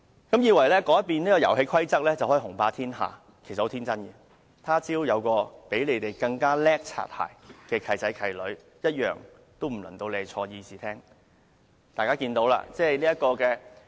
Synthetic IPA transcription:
kɐ˨˥mjiː˨˧wɐ˨˩jlɛː˥kɔː˨˥jɐ˥tpiː˨nliː˥kɔː˧jɐ˨˩wɦe˧jkʰɐ˥jt͡sɐ˥k̚lɛː˥t͡sɐ˨whɔː˨˥˨hʊ˨˩ŋpaː˧t̪ʰiː˥nɦa̰ː˨˩ | kʰe˨˩sɐ˨ho˨˥t̪ʰiː˥nt͡sɐ˥nɡɛ˧ | t̪ʰaː˥t͡siː˥wjɐ˨˧wkɔː˧pe˨˥jle˨˧jt̪e˨˩jkɐ˧ŋkaː˥lɛː˥k̚t͡sʰa̰ː˨p̚ha̰ː˨˩jkɛː˧kʰɐ˨˩jt͡sɐ˨˥jkʰɐ˨˩jlɵ˨˥ɥ | jɐ˥t̚jœ̰ː˨ŋ | t̪o˥wm̩˨˩lɐ˨˩nt̪o˧wle˨˧˨t͡ʃʰɔː˧jiː˧siː˨t̪ʰɛː˥ŋ | t̪aː˨jkaː˥kiː˧nt̪o˨˧˥wla̰ː˧t͡sɛː˥liː˥jɐ˥t̚kɔː˧kɛː˧

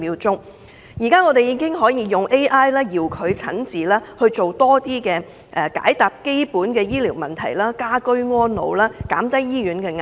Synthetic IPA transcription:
iː˨˧wt͡sʊ˥ŋ | jiː˨˩kaː˥ŋɔː˨˧t̪e˨˩jiː˨˥kɪ˥ŋɦɔː˨˥jiː˨˧jʊ˨ŋʔe˥jʔaː˥jlaː˥jiː˨wkʰɵ˨˧ɥt͡sʰɐ̰˨˥nt͡siː˨laː˥hɵ˧ɥt͡so˨wt̪ɔː˥t̪iː˥kɛː˧ | ʔɛ˨˩ka̰ː˨˥jt̪aː˨p̚ke˥jpuː˨˥nkɛː˧jiː˥liː˨˩wmɐ˨˩nt̪ʰɐ˨˩jlaː˥kaː˥kɵ˥ɥŋɔː˥nlo̰˨˧wlaː˥ka̰ː˨˥mt̪ɐ˥jːiː˥jyː˨˥nkɛː˧ŋ˨

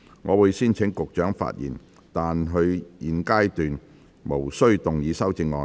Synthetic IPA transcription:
ŋʔɔː˨˧wuː˨˧jsiː˥nt͡sʰɪ˨˥ŋkʊ˨k̚t͡ʃœː˨˥ŋfa̰ː˧t̚jḭː˨˩n | t̪aː˨nɦɵ˧ɥjiː˨˩nkaː˥jt̪yː˨n | mo˨˩wsɵ˥ɥt̪ʊ˨ŋjiː˨˧sɐ˥wt͡sɪ˧ŋːɔː˨˧

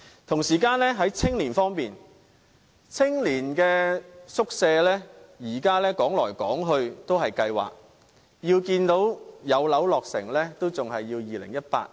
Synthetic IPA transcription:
t̪ʰʊ˨˩ŋsiː˨˩kaː˧nlɛː˥ɦɐ˨˥jt͡sʰɪ˥ŋliː˨˩nfɔː˥ŋpiː˨n | t͡sʰɪ˥ŋliː˨˩nkɛː˧sʊ˥k̚sɛː˧lɛː˥jiː˨˩kaː˥lɛː˥kɔː˨˥ŋlɔː˨˩jkɔː˨˥ŋɦɵ˧ɥt̪o˥wɦɐ˨jkɐ˧jwa̰ː˨k̚ | jiː˧wkiː˧nt̪o˨˥wjɐ˨˧wlɐ˨˥wlɔː˨k̚sɪ̰˨˩ŋlɛː˥t̪o˥wt͡sʊ˨ŋɦɐ˨jːiː˧wjiː˨lɪ̰˨˩ŋjɐ˥t̚pa̰ː˧t̚

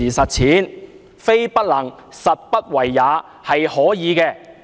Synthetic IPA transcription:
iː˨˩sɐ˨t̚t͡sʰiː˨˥n | fe˥jpɐ˥t̚lɐ˨˩ŋ | sɐ˨t̚pɐ˥t̚wɐ˨˩jːaː˨˥ | hɐ˨jhɔː˨˥jiː˨˧kɛː˧

